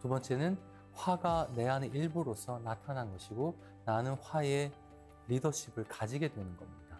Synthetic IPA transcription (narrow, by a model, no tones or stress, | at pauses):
tubʌnt͡ɕ͈ʰe̞nɯn | ɸwaɡane̞ane̞ʔiɭbuɾosʰʌnatʰanɦanɡʌɕʰiɡo | nanɯnɸwaje̞ | ɾidʌɕʰibɯɭkad͡ʑiɡe̞dwe̞nɯnɡʌmɲid̥a